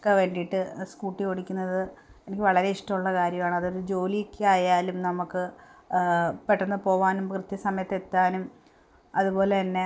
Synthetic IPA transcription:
kʋeɳɖijʈːɨskuːʈːio̞ɽikʲːunːɐðɨ | enikʲːɨʋɐɭɐɾe̞iʂʈɐmuɭːɐkaːɾjɐmaːɳɐðoɾud͡ʑo̞ːlikʲːaːjaːlumnɐmukːɨ | peʈːɐnːɨpo̞ːʋaːnumkrɨt̪jɐsɐmɐjɐt̪ːet̪ːaːnum | ɐðubo̞ːle̞t̪ɐnːe̞

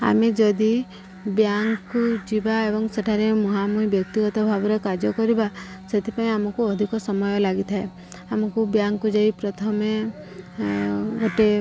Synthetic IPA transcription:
a̰med͡ʒɔd̪i | bjaŋkud͡ʒibaebɔŋseʈʰaɾemuɦamuɦibjɔk̚t̪iɡɔt̪ɔbʱabɔɾɔkad͡ʒɔkɔɾiba | set̪ʰipaĩamɔkuɔd̪ʱikɔsɔmɔjɔlaɡit̪ʰae | amɔkubjaŋkud͡ʒaipɾɔt̪ʰɔme | ɡoʈe

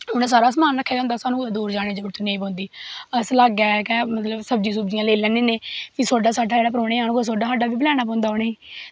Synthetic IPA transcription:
ʊñẽs̬aːɾaːsmaːnːəkʰːeːd͡ʒãːnd̪aːsaːnũːd̪uːɾd͡ʒaːɽ̃eːd͡ʒoɽt̪ːnẽːp̬ɔ̃ːnd̪iːəslaːɡɛːkɛ̃ːmət̪ləbsəbd͡ʒiːsʊbd͡ʒijãːleːlɛ̃ːnẽːneːpisoːɖaːsaːɖaːeːɽaːpəɾoːɽ̃eːaːñkos̬oːɖaːsaːɖaːʋiːbəlɛːɽ̃aːp̬ɔ̃ːnd̪aːʊneːiː

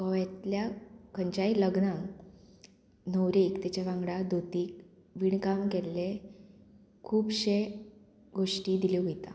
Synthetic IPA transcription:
kəʋjat̪ljakəɲt͡ɕailəɡnãŋ | nəwɾikt̪jat͡ɕaʋãŋɡɽad̪ot̪iːk | ʋiɳkamkelːe | kʰuːpɕe | ɡoʂʈiːd̪ileɦojt̪a̰

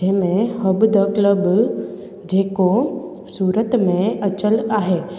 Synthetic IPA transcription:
eːmẽhəbd̪ʱəkləb | d͡ʒeːko | suːɾət̪mẽət͡ʃəlaːɦeː

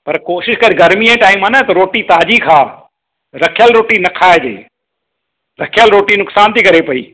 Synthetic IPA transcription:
pɐɾkoːʃɪʃkɐɾiɡɐɾmiẽʈaːɪmaːnɐt̪ɐɾoːʈit̪aːd͡ʑikʰaː | ɾɐkʰɪjəlɾoːʈinɐkʰaːed͡ʑḛː | ɾɐkʰjəlɾoːʈinʊksaːnt̪ʰikɐɾepɐḭː

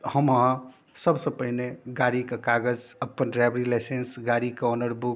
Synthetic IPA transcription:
həməɦã | səbsə̃pəɦineɡaɽikekaɡəd͡ʒəpːənɖɾajbəɾilaɪsensɡaɾikeonəɾbuk

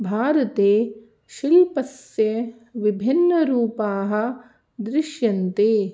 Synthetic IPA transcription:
bʱaːɾɐt̪eː | ʃilpɐsjɐ | ʋibʱinːɐɾuːpaːɦɐ̆ | d̪ɾɪʃjɐnt̪eː

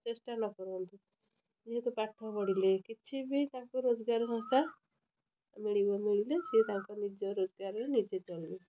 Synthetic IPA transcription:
t͡ʃesʈanɔkɔɾɔnt̪u | iɦet̪ɔpaʈʰːɔpɔɽ̤ilekit͡ʃʰibʱit̪ãkɔɾod͡zɡaɾsɔ̃st̪a | miɭibɔmiɭiled͡ʒet̪ãŋkɔnid͡ʒɔɾod͡ʒɡaɾɾenid͡ʒet͡ʃɔlːi

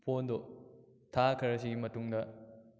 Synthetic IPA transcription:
pʰondo | tʰakʰɐɾɐs̬iɡimɐtuŋdɐ

